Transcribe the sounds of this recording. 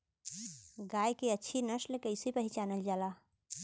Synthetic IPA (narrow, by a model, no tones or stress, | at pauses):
ɡaːjkiətːʃʰinəʃlekəɪsipəɦit͡ʃaːnəld͡ʒaːlaː